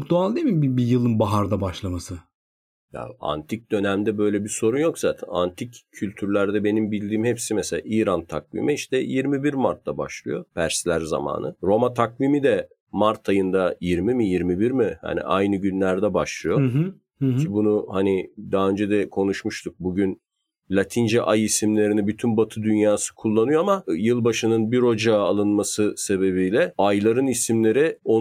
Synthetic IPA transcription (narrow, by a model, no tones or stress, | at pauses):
k̚t̪ʰualˠd̪emibibijɯlˠɯnbaɦaɾd̪abaʃlˠamasɯ | ja̰a̰nt̪ʰic̚d̪̥ø̞næmd̪ɛbø̞jlʲɛbiɾso̞ɾunjo̞kz̥aːt̪ʰæ̰na̰nt̪ʰiccʰːylʲt̪ʰyɾlʲæɾd̪ɛbe̞nimbilʲd̪iːmhepsimɛselʲa̰ːiːɾant̪ʰakvḭmʔiiʃt̪ʰɛjiɾmibiɾmaɾt̪ʰːaba̰ʃlˠɯjo̞pʰæɾslʲæɾza̰ma̰ːnɯɾo̞mat̪ʰakvimid̪ɛ | maɾt̪ʰajɯnd̪ajiɾmimijiɾmibiɾmiha̰nḭʔa̰jnɯɟynlʲæɾd̪ɛbaʃlˠɯjo | bunuhanid̪aɦaø̞nd͡ʒɛd̪ɛkʰo̞nuʃmuʃt̪ʰuk̚buɟyn | lʲat̪ʰind͡ʒɛʔajisimlʲe̞ɾinibyt̪ʰynbat̪ʰɯd̪ynjaːsɯ̥kʰulˠːanɯjo̞amajɯlˠbaʃɯnɯnbiɾo̞d͡ʒaːlˠɯnmasɯse̞βe̞βijlʲɛajlˠaɾɯnisimlʲe̞ɾɪo